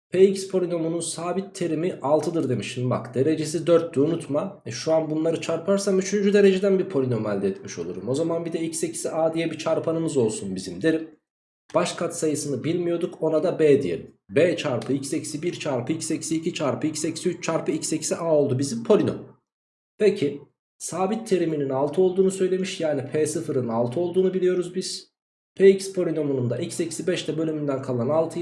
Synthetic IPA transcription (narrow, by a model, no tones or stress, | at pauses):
pʰeːicspʰo̞lʲino̞mununsaːbit̪ʰːe̞ɾimiʔalˠt̪ʰɯd̪ɯɾd̪e̞miʃinma̰kd̪̥e̞ɾe̞d͡ʒe̞s̬id̪øɾt̪ːyunut̪maɛʃuanbunlˠaɾɯt͡ʃʰaɾpʰaɾsamyt͡ʃʰynd͡ʒyd̪e̞ɾe̞d͡ʒed̪ænbiɾpʰo̞lʲino̞malʲd̪ɛɛt̪miʃo̞̰lˠuɾumo̞zamanbid̪ɛicse̞cʰi̥siʔaːd̪ijɛbit͡ʃʰaɾpʰanɯmɯzo̞lˠsunbizimd̪e̞ɾim | b̥aʃkʰat̪sajɯsɯnɯbilʲmijo̞d̪uko̞nad̪abeːd̪ijḛ | beːt͡ʃʰaɾpʰɯicsecsibiɾt͡ʃʰaɾpʰɯicseci̥iːcit͡ʃʰaɾpʰɯicsecʰi̥siyt͡ʃt͡ʃʰaɾpɯicʰsecʰi̥siʔaːo̞lˠd̪ubizimpʰo̞lʲino̰m | pʰecʰi | saːbit̪ʰːe̞ɾimininalˠt̪ʰɯo̞lˠd̪uːnusø̞jlʲe̞miʃjaːnipʰeːsɯfɯɾɯnalˠt̪ʰɯo̞lˠd̪uːnubilʲijo̞ɾuzbiz̥ | pʰeicspʰo̞lʲino̞munund̪aʔicsecʰi̥sibɛʃt̪ʰɛbø̞lʲymynd̪ænkʰalˠanalˠt̪ʰɯ